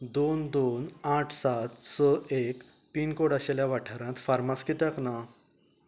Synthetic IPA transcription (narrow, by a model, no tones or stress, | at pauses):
d̪ond̪onaʈʰsat̪sɔek | pinkoɽaɕeljaʋaʈʰəɾãt̪faɾmaskit̪akna